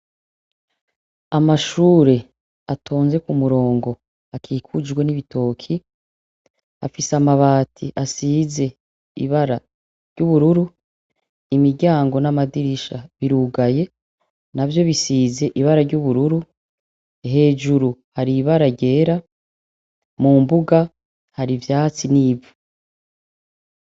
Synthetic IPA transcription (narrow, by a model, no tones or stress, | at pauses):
amaʃuːɾe̞ | atʰo̞ːnze̞kumuɾo̞ːŋɡo̞ | akʰiːkʰud͡ʒɡwe̞niβitʰo̞ːkʰi | afisamaβaːtʰḭʔasiːze̞ | ḭβaɾa | ɾ̥ɟ̥uβuɾuɾu | imiɟaːŋɡo̞namadiɾiʃaβiɾuɡaje̞ | navjo̞βisiːze̞ʔiβaɾaɾɟuβuɾuɾu | ɦe̞ːd͡ʒuɾuhaɾiβaɾaɟe̞ːɾa | muːmbuɡa | haɾivjaːt͡siniːvu